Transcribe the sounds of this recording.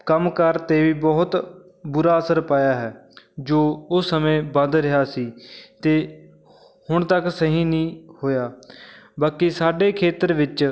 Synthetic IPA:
kəmkəɾt̪eːʋiːbɔːʊt̪ | bʊɾaːəsəɾpaːjaːɦɛːd͡ʒoːʊsːəmẽːbə̃nd̪ɾɪɦaːsiːt̪eː | hʊɳt̪əksəɦĩːnĩːhoːjaːbaːkiːsaːɖeːkʰeːt̪əɾʋɪt͡ʃ

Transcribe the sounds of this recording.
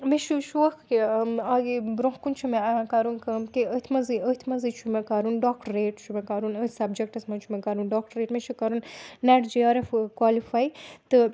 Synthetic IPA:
meʃuʃuʋɐkaɡibɾõɦkunt͡ʃʰumeaãkaɾunkɐkiət̪ʰmɐziət̪ʰmɐzit͡ʃʰumekaɾunɖaːk̚ʈəɾeːʈt͡ʃʰumekaɾunət̪ʰsɐbd͡ʒek̚ʈɐsmɐnt͡ʃʰumɛkaɾunɖɔːk̚ʈəɾeːʈmet͡ʃʰukaɾunːɛʈd͡ʒiaːɾefkwaːlifajt̪ɨ

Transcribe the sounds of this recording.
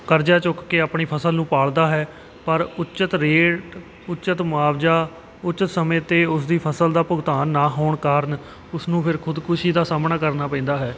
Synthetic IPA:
kəɾd͡ʒaːt͡ʃʊkːeːaːpɳiːpʰəsəlnũːpaːɭd̪aːɦɛː | pəɾʊt͡ʃət̪ɾeːʈ | ʊtːt͡ʃət̪mʊaːʋd͡ʒaː | ʊtːt͡ʃət̪səmẽːt̪eːʊs̬d̪iːpʰəsəld̪aːpʊɡt̪aːnːaːɦoːɳkaːɾən | ʊsnũːpʰɪɾkʰʊd̪kʊʃiːd̪aːsaːmnaːkəɾnaːpɛ̃ːnd̪aːɦɛː

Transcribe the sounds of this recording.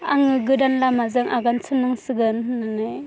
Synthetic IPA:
aŋɯɡɯdanlamazɯŋʔaɡansʰɯnːɯŋsɯɡɯnhɯnanɯj

